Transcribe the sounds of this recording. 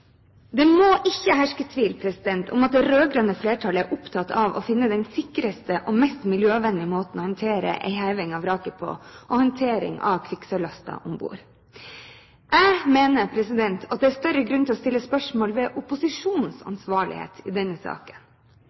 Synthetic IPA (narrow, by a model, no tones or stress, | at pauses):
d̪ɛmoːʔɪçːəhæʂkət̪ʰʋiːlpʰɾɛsɪd̪ɛnt̪ʰʊ̰mɑt̪̚d̪ɛɾøːɡɾɑnəfleːʈʰɑləæɾʔʊpt̪ʰɑt̪ɑʋɔ̰fɪnːəd̪ɛnsɪkɾəst̪əʔɔmɛst̪mɪljøːʋɛnd̪ɪəmoːt̪ən̩ɔːhɑnt̪ʰeːɾə̰ʔæ̰ɪhæɪʋɪŋɑʋɾɑːkəpʰo̰ːʔɔhɑnt̪ʰeːɾɪ̰ŋʔɑ̰ʋkʰʋɪksəɭɑst̪ɑ̰ʔʊmbṵːɾ | ʔæɪmeːnəpʰɾɛsɪd̪ɛnt̪ʰɑt̪̚d̪ɛæːɾst̪œɾəɡɾʉnt̪ɪlɔst̪ɪlːəspœʂmoːlʋɛːʔʊpʊsɪʂuːnn̩sɑ̰nsʋɑːɭɪ̰hḛːt̪ʰɪ̰ːd̪ɛnːəsɑ̰ːkə̥n